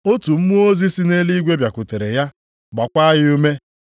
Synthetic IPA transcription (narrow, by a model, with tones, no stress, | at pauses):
o˦tu˨m̩˦mu˦o˦zi˦si˦ne˦li˦ɡʷe˦bja˨kʷʊ˨te˨ɾe˨ja˦ | ɡ͡ba˨kʷa˦ɦɪ˦u˦me˦